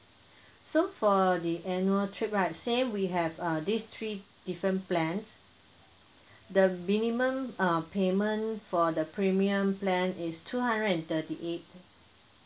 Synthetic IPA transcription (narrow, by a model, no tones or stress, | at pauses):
sofɔdiʔɛ̃njuəltʰɹip̚ɹaɪt̚sẽmwiɦɛvʌdist̪ʰɹi | d̥ifɹə̃nplɛ̃ns | dəmĩnimə̃mʌpʰemə̃nfɔdəpʰɹimiə̃mplɛ̃nistʰuhãndɹədɛ̃ntətiʔet̚